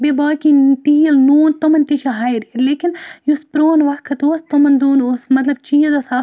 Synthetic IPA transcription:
bebaːkit̪ijlnuːnt̪omɐnt̪it͡ʃʰɐɦɐjɾeɾleːkinjuspɾoːnʋɐkʰɐt̪oːst̪omɐnd̪uːnoːsmɐt̪lɐbt͡ʃiːzɐsaː

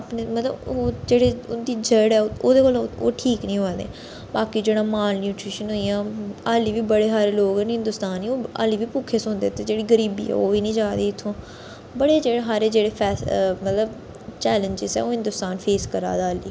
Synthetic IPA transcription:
pnemət̪lə̰boːd͡ʒeːɽeːʊnd̪iːd͡ʒəɽɛːoːd̪eːkoːlo̰ːʈʰiːknĩːɦoad̪ḛː | baːkiːd͡ʒeːɽ̃aːmaːlnjuːʈɾiʃənɦoːijãːaːliːʋiːbəɽeːɦaːɾeːloːɡɛnɦɪ̃nd̪ʊst̪aːniːoːa̰ːliːʋiːpuːkʰːeːsõːnd̪eːt̪ed͡ʒeːɽiːɡəɾiːbḭːɛ̰ːoːʋiːnĩːd͡ʒãːd̪iːɪt̪ʰːõː | bəɽeːd͡ʒeːɽeɦaːɾeːd͡ʒeːɽeːpʰɛːsmət̪ləb | t͡ʃɛːləɲd͡ʒɪzɛ̰ːoːɦɪ̃nd̪ʊst̪aːnpʰeːskəɾa̰ːd̪aːliː

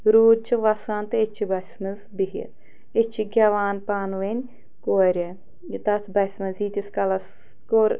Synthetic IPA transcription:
ɾuːd̚t͡ʃʰiʋɐsaːnt̪ɨet͡ʃʰibɐsʲmɐzbiɦɐ̰t̪ | et͡ʃʰiɡʲaːʋaːnpaːnʋenʲ | koːɾʲɐ | t̪ɐt̪ʰbɐsʲmɐziːt̪ʲiskɐlɐs | koːɾ

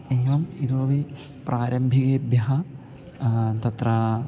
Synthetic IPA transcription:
eːʋɐmid̪uɐʋi | pɾʔaːɾɐmbʱiɣeːbjɐɦɐ | t̪ɐt̪ɾɐ

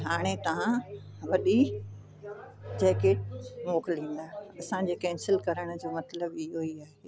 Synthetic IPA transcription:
ɦaːɽ̃et̪ɐʋã | ʋɐɗi | d͡ʑɛːkeːʈ̚moːklĩːn̆d̪aːɐsãd͡ʑeːkɛ̃ːnsɪlkɐɾəɽ̃d͡ʑoːmɐt̪ləbɪɦoiaːɦe

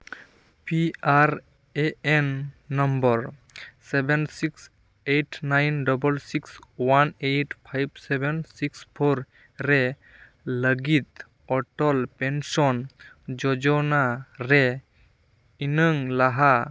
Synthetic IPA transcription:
piaɾ | eenːɔmbɔɾsebensiks | eʈʰnajnɖɔbəlsikswanejʈpʰajbsebensikspʰoɾ | ɾe | ləɡit̪ | ɔʈɔlpensɔn | d͡ʒɔd͡ʒɔnaɾe | inəŋlaɦa

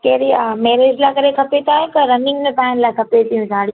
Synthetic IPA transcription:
keːɾimeːɾeːd͡ʒlakɐɾekʰɐpet̪aːɦet̪ɐɾɐnɪ̃ŋɡmẽpɛːnlakʰɐpet̪ijũd͡ʒʱaːɽi

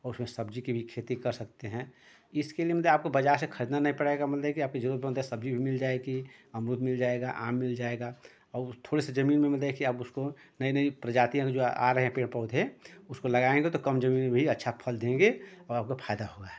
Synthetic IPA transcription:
ɔːɾʊsmẽsəbd͡ʒikibʱikʰeːt̪ikɐɾsɐk̚t̪eɦɛ̃ | ɪskeliemət̪laːp̚kobɐd͡ʒaːɾsekʰəɾid̪nanɐɦĩpəɽeɡamɐt̪əkiaːp̚ked͡ʒəɾud̪bʱimd̪əsəbd͡ʒibʱimɪld͡ʒaːeɡiɐmɾʊt̪mɪld͡ʒaeɡaʔa̰ːmːɪld͡ʒaeɡa | ɔːt̪ʰoːɽesed͡ʒɐmiːnmẽmət̪lekʰiaːbʊsko | nəinəipɾəd͡ʒaːt̪ijãked͡ʒoa̰ɾəɦeɦɛ̃peːɽpɔʊd̪ʱɛ̃ʊskolɐɡaːẽŋɡet̪okɐmd͡ʒəmiːnmẽbʱiɐtːʃʰapʰəld̪ẽɡeɔːɾaːp̚kopʰaːjd̪aɦoːɡa

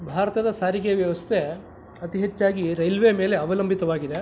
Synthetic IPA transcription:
bʱaːɾɐt̪ɐd̪ɐsaːɾiɡejɐʋjɐʋɐst̪ʰe̞ | ɐt̪iɦet͡ʃːaːɡiɾɐjlʋeme̞ːle̞ɐʋɐlɐmbʱit̪ɐʋaːɡid̪e

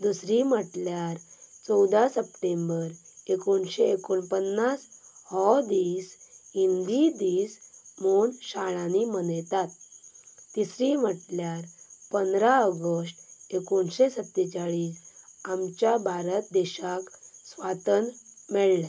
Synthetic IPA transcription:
d̪usɾim̤əʈljaɾt͡sɔwd̪asəpʈembəɾekoɳɕeekoɳpənːashɔd̪iːsɦind̪id̪iːsmoɳɕaɭãnimənjt̪at̪̚ː | isɾim̤əʈljaɾpənd̪ɾaəɡəsʈekoɳɕesət̪ːet͡ɕaɭiːsamt͡ɕjabʱaɾət̪d̪ɛɕaksʋat̪ənmɛɭlɛ

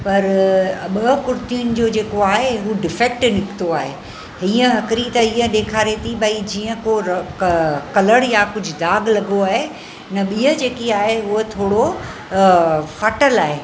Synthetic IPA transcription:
pɐɾɓəkʊɾt̪ijʊnɪ̆d͡ʑoːd͡ʑeːkoaːɦeɦuɖɪfek̚ʈnɪkt̪oaːɦe | ɦiːə̃ɦɐkɾit̪ɐiːə̃ɗeːkʰaːɾet̪ʰibɐid͡ʑiːə̃koɾ | kɐləɽjakʊd͡ʑʱʊ̆d̪aːɡlɐɡoaːɦe | nɐɓiːəd͡ʑeːkiaːɦeɦʊɦot̪ʰoːɽo | faːʈəlaːɦeː

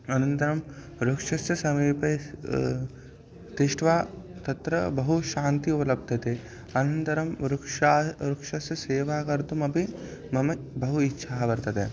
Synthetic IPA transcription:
ɐnɐnt̪ɐɾɐm | ɾukʂɐsjɐsɐmiːpɐ | t̪iʂʈʋaːt̪ɐt̪ɾɐbɐɦuʃaːnt̪iupɐlɐb̚d̪ʱɐt̪e | ɐnɐnt̪ɐɾɐmɾukʂaːɾukʂɐsjɐseːʋaːkɐɾt̪umɐpimɐmɐbɐɦuitːʃʰaːɐʋɐɾt̪ɐt̪e

